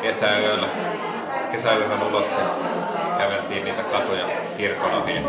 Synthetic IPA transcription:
kesæøˑlːæ | kesæyhrenulosjɑ | kæʋelt̪iːnniːt̪ækɑt̪ojɑ | kirkonɑhijɑ

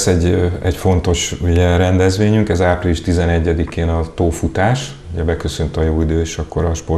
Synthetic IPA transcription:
sɛɟːɛcfo̞nt̪o̞ʃuɟɛɾɛnd̪ɛzʋeːɲyŋkɛzaːpriliʃt̪izɛnɛɟːɛd̪ikeːnɒt̪oːfut̪aːʃ | uɟɛbɛkø̞sønt̪ɒjoːid̪øːʃɒkːo̞ɾɒʃpor

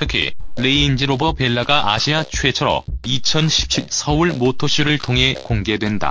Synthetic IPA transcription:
tʰɯkʰḭle̞iind͡ʑiɾobʌpe̞ɭːaɡaʔa̰ɕʰiat͡ɕʰuwe̞t͡ɕʰʌɾʌ̰it͡ɕʰʌnɕʰi̥p̚t͡ɕʰiɭsʰʌuɭmotʰoɕʰiɾɯɭtʰoŋɦekoŋɡe̞dwe̞nda̰

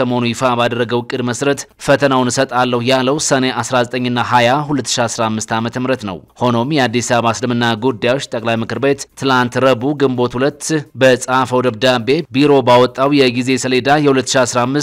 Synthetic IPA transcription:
əmo̞nujɪfabad̪əɾrːəɡəwɨkʼːɨd̪məsɾət̪fət̪ʰənawnɨsət̪ʼalːəhujalːəwsəne̞ʔasɾazət̪ʼəɲːɨnːaɦajaɦulət̪ːɨ̥ʃiasɾamːɨst̪amət̪ʰəmɾət̪nə̰who̞no̞mjɛad̪ːisaββaslɨmɨnːaɡud̪ːajawot͡ʃːt̪ʼəkʼlajmɨkʰɨɾbe̞t̪t̪ʰːɨlant̪ɾəbuɡɨmbo̞t̪hulət̪ːbəsʼafəwd̪əbd̪abe̞biɾo̞bawɔt̪ʼːawjɛɡize̞səled̪ajɛhulət̪ːɨʃiasɾamːɨs

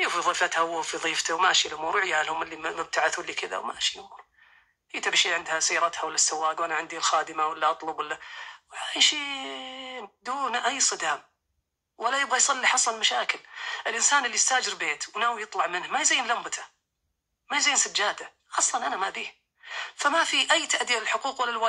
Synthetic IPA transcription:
juːfiðˤiːfat̪hawfiðˤiːft̪awmaʃilʔʊmuːɾwɪʕjalhʊmɪlːimʊb̚t̪aʕaθwɪlːikɪd̪a̰wma̰ʃilʔʊmuːɾ | hiːt̪abʃiːʕɪnd̪hasajːɾˤɑt̪hawɪlːasːawːaːɡwʔanaʕɪnd̪ilxaːd̪ɪmawɪlːaʔɑt̪ˤlʊbwɪlːawajʃiː | d̪uːnʔajːsˤɨd̪aːm | walːajɪbɣajsˤɑlːiħɑsˤɑlmaʃaːkɪlʔɪlʔɪnsaːnʔɪlːijst̪aːd͡ʒɪɾbeːt̪wnaːwjɨt̪ˤlɑʕmɪnhmajzaːnlambat̪ʰḁ | majziːnsad͡ʒːaːd̪a | xɑːsˤːt̪ɑnʔanamabiːh | famafiʔajːt̪aʔd̪iːalɪlħʊquːqwɪlːalwa

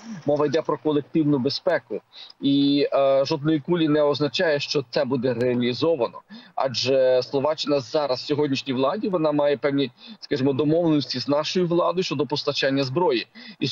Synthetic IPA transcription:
mɔʋɐjd̪ɛpɾɔkɔlˠek̚t̪ɪwnʊbespɛkʊiʒɔd̪nɔjikulʲinɛɔznɐt͡ʃɑjɛʃt͡ʃɔt̪sɛbud̪ɛɾeɐlʲizɔʋɐnɔɑ̰d͡ʒɛslˠɔʋɑt͡ʃɪnɐzɑɾɐssʲɔɦɔdʲnʲiʃnʲijʋlˠɑdʲiʋɔnɑmɑjɛpɛwnʲiskɑʒemɔd̪ɔmɔwlˠenɔsʲtʲiznɑʃɔjʊʋlˠɑd̪ɔjt͡ʃɔd̪ɔpɔst̪ɐt͡ʃanʲːɐzbɾɔjii

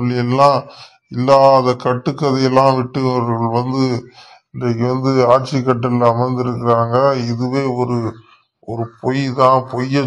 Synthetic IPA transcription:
lːɪɛlːãː | ɪlːaːɐðɐkɐʈːɯkːɐðɐjɛlːãːʋɪʈːɯɔɾɐɾɣɐɭʋɐnd̪ɯ | ɪnlɐkːɯʋɐnd̪ɯaːʈt͡ʃikːɐʈːɐlɐmɐɪnd̪ɪɾɯkːɪɾaːŋɡɐɪðɯʋeːɔɾɯ | ɔɾɯpɔjt̪ãːpɔjːɐ

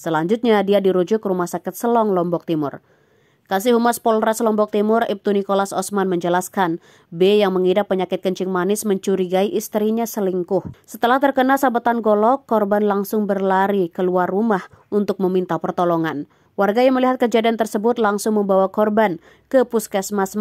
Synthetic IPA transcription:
səlaɲd͡ʒut̪̚ɲadiadiɾud͡ʒʊkrumahsakɪt̪̚səlɔŋlɔmbɔk̚t̪imʊ̰r | kas̬iɦumaspɔlɾaslɔmbɔk̚t̪imʊrip̚t̪unikolasɔsmanməɲd͡ʒəlaskan | bejaŋməŋidapːəɲakɪt̪̚kəɲt͡ʃɪŋmanɪsməɲt͡ʃuɾiɡaiʔist̪ɾiɲasəliŋkʊhsət̪əlaht̪ərkənasabət̪anɡɔlɔkːɔrbanlaŋsʊŋbərlaɾikəluarːumah | unt̪ʊk̚məmint̪apərt̪ɔlɔŋan | warɡajaŋməliɦat̪̚kəd͡ʒadiant̪ərsəbʊt̪̚laŋsʊŋməmbawakɔrban | kəpuskɛsmas

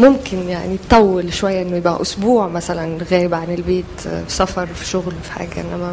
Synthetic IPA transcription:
mʊmkɪnjaʕnit̪t̪ˤːɑwːelʃwæjːæʔenːojɪbʔæ̰ʔʊsbuːʕmæsælænɣæːjɪbʕanelbeːt̪fi̥sæfɑɾˤfi̥ʃʊɣlfi̥ħa̰ːɡæʔḛnːæmæ

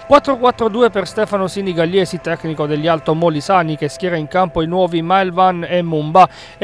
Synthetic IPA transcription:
kwat̪ːɾokwat̪ːɾod̪uːeperst̪ɛːfanosiniɡalːɛːsit̪ɛkːnikod̪eʎːialt̪omolisanikeskjɛːɾaiŋkampoinwɔːvimajlvanemːumba

